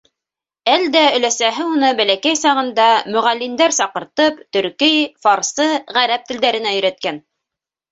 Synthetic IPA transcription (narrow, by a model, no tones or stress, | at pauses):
æld̪æɵ̆læsæɦɘunɤbælækæjsɑʁɤ̆nd̪ɑmɵ̆ʁælːind̪æɾsɑqɤ̆ɾt̪ɤpt̪ɵ̆ɾkɘjfɑɾsɤʁæɾæp̚t̪ɘ̆ld̪æɾɘ̆næɵ̆ɾæt̪̚kæn